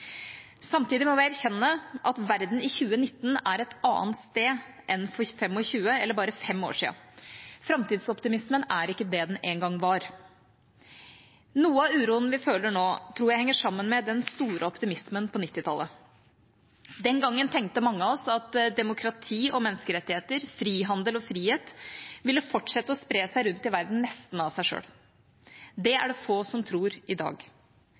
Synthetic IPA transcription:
sɑmt̪iːd̪ɪmɔʋæɪæɾçɛnːəʔɑt̪ʋæɾd̪n̩ɪçʉːənɪt̪ːn̩æɾɛt̪ɑ̰ːənt̪st̪eː | ʔɛnfɔɾfɛmːɔçʉːəɛlːəɾbɑːɾəfɛmo̰ːʂḭːə̰fɾɑmt̪iːd̪sɔpt̪ɪmɪsmənæɾɪkːəd̪ɛd̪ɛnʔeːnɡɑŋːʋɑɾ | nuːəɑʉːɾuːənəʋɪføːləɳoːt̪ʰɾuːɾjæɪhɛŋːəʂɑmːənmɛd̪ɛnst̪uːɾʔəɔpt̪ɪmɪsmənpʰɔnɪt̪ːɪt̪ʰɑlːə | d̪ɛnɡɑŋːənt̪ʰɛŋk̚t̪əmɑŋːəɑɔsɑt̪d̪ɛmʊkʰɾɑt̪ʰiːʔɔmɛnːəskəɾɛt̪ːɪheːt̪əɾfɾiːɦɑnd̪əlɔfɾiːheːt̪ʋɪlːəfɔʈʂɛt̪ːəɔspɾeːsæɪɾʉnt̪ɪʋæɾd̪n̩nɛst̪n̩ɑʋsæɪʂø̰ːl | d̪ɛæ̰ɖɛfoːsɔmt̪ʰɾuːɾʔɪd̪ɑ̰ːɡ

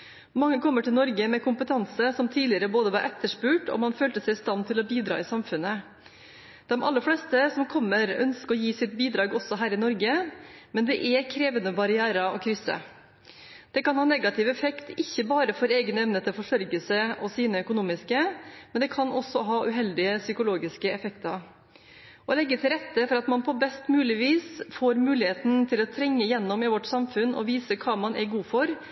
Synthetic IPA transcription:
mɑŋːəkʰɔmːəʈʰɪlnɔɾɡəmɛkʊmpət̪ʰɑnsəsɔmt̪ʰiːlɪəɾəboːd̪əʋɑɾʔɛt̪ːəʂpʉːʈɔ̰mɑnføːlt̪əsɛɪst̪ɑnt̪ʰɪlɔbiːd̪ɾɑ̰ːɪsɑmfʉnːə | d̪̥ɛmʔɑ̰lːəɾflɛːst̪əsɔmkʰɔmːəɾœ̰nskəɔjiːsɪt̪̚biːd̪ɾɑːɡɔsɔɦæːɾɪnɔɾɡəmɛnd̪ɛʔɛkʰɾeːʋənəbɑɾɪæːɾɑɔkʰɾʏsə̰ | d̪̥ɛkɑnhɑːnɛɡɑt̪ɪʋɛfɛkt̪ʰɪçːəbɑːɾəfɔɾeːɡnəɛmnət̪ʰɪlfɔʂœɾɡəlsəʔɔsiːnəœkʊnuːmɪskəmɛnd̪ɛkʰɑnʔɔsːɔɦɑːʔʉɦɛld̪ɪəsʏkʊloːɡɪskəɛfɛkt̪ɑ | ɔlɛɡːət̪ʰɪlɾɛt̪ːəfɔɾɑt̪mɑnpʰɔbɛst̪mʉːlɪʋiːsfoːɾmʉːlɪheːt̪n̩t̪ʰɪlɔt̪ʰɾɛŋːəɪjɛnːɔmɪʋɔʈːsɑmfʉnɔ̰ʋiːsəkʰɑːmɑnʔæɾɡuːfɔɾ

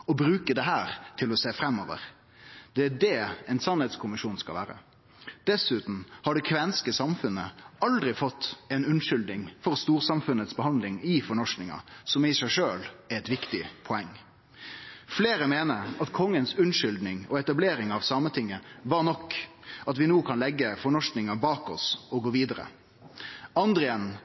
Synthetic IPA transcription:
ɔbɾʉːkəd̪ɛɦæːɾt̪ʰɪlɔseːfɾɛmːɔːʋə̰ʁ | d̪̥ɛæɖɛːɛɪnsɑnhɛːt̪skʰʊmɪʂuːnskɑlʋæːɾə̰ | d̪̥ɛsʉːt̪n̩hɑɖɛkʰʋɛnskəsɑmfʉnːəɑld̪ɾɪfɔt̪ːɛnʉnʂʏld̪nɪŋfɔɾst̪uːɾsɑmfʉnːət̪sbəɦɑnd̪lɪŋɪfɔɳɔʂnɪŋɑ̰sɔmɪsæɪʂøːlɛɛt̪ʋɪkt̪ɪpʰɔɛŋː | fleːɾəmeːnəɾɑt̪kʰɔŋːənsʉnʂʏld̪nɪŋɔɛt̪ɑbleːɾɪŋɑʋsɑmət̪ʰɪŋːəʋɑɾnɔkːɑt̪ʋɪnuːkʰɑnlɛɡːəfɔɳɔʂnɪŋɑbɑːkɔ̰sɔɡoːʋiːd̪əɾə̰ | ɑnd̪ʁəɛn

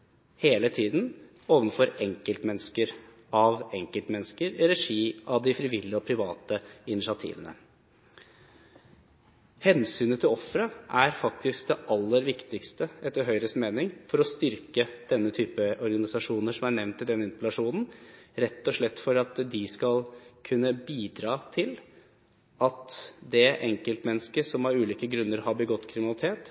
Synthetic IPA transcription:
heːlət̪ʰiːd̪n | oːʋənfɔɾɛŋkəlt̪mɛnːskəɾ | ɑʋɛŋkəlt̪mɛnːəskəɾɾɛʂiːʔɑʋd̪ɪfɾɪʋɪlːɪɔpʰɾɪʋɑːt̪əɪnɪʂɪɑt̪ʰḭːʋənə̰ | hɛnsyːnət̪ʰɪlɔfɾəʔæɾfɑkt̪ɪsk̚d̪ɛʔɑlːəɾʋɪkt̪ɪkst̪əɛt̪ːəɾɦœʏɾəst̪meːnɪŋfɔɾɔst̪ʏɾkəd̪̥ɛnːət̪ʰyːpəɔɾɡɑnɪsɑʂuːnəʂɔmæɳɛʋnt̪ʰːɪld̪ɛnːəɪnp̪lɑʂuːnn̩ɾɛt̪ːɔʂɭɛt̪ːfɔɾɑt̪d̪ɪskɑlkʰʉnːəbiːd̪ɾɑːt̪ʰɪl | ɑt̪d̪ɛʔɛŋkəlt̪mɛnːəskəsɔmɑɾʉːliːkəɡɾʉnːəɾhɑbəɡɔt̪ːkʰɾɪmɪnɑlɪt̪ʰeːt̪

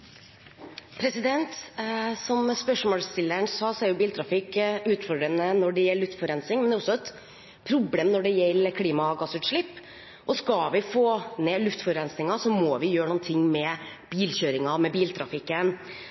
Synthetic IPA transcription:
pʰɾɛsɪd̪ɛnt̪sɔmspœʂmoːlst̪ɪlːəɳsɑːsɔɛɾjʊbiːlt̪ʰɾɑfɪkʉːt̪fɔɖɾənənɔɖɛjɛllːʉft̪fɔɾɛnsɪŋmɛnɛːɾɔsːɔɛt̪ | pʰɾʊbleːmnɔɖɛjɛlːəkʰliːmɑɡɑsʉːt̪ʂɭɪpː | ʔɔskɑʋɪfoːneːlʉft̪fɔɾɛnsɪŋɑsɔmɔːʋɪjøːɾəɳuːnt̪ʰɪŋːmɛb̥iːlɕøːɾɪŋɑmɛbiːlt̪ʰɾɑfɪkːən

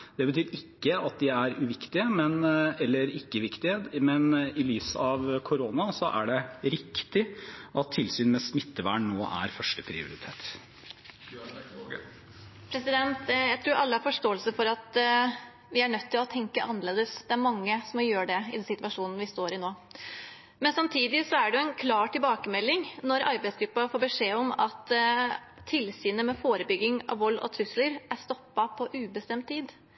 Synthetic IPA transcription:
d̪̥ɛbət̪ʰyːɾɪkːəɑt̪̚d̪ɪæɾʉʋɪkt̪ɪəmɛnɛlːəɾɪkːəʋɪkt̪ɪəmɛnɪlyːsɑʋkʰʊɾoːnɑsɔʔæ̰ɖɛɾɪkt̪ɪʔɑt̪ʰːɪlsyːnmɛsmɪt̪ːəʋæ̰ːɳnoːʔæ̰ɾfœʂʈəpʰɾɪ̰ʊ̰ɾɪt̪ʰeːt̪ | pʰɾɛsɪd̪ɛnt̪jæɪt̪ʰɾuːɾɑlːəhɑɾfɔʂʈoːəlsəfɔɾɑt̪ | ʋɪæɳœt̪ʰːɪlɔt̪ʰɛŋkəʔɑnəɭeːd̪əsd̪ɛæɾmɑŋːəsɔmjøːɖɛɪ̰d̪ɛnsɪt̪ʋɑʂuːnn̩ʋɪst̪oːɾɪnoː | mɛnsɑmt̪ʰiːd̪ɪsɔæɖɛjʊɛɪnkʰlɑːʈɪlbɑːkəmɛlːɪŋnɔɾɑɾbæɪsɡɾʉpːɑfoːɾbəʂeːɔmɑt̪ʰː | ɪlsiːnəmɛfoːɾəbʏɡːɪŋɑ̰ʋɔlːɔ̰t̪ʰɾʉsləɾʔæst̪ɔpːɑpʰɔʔʉːbəst̪ɛmt̪̚t̪ʰːiːd̪

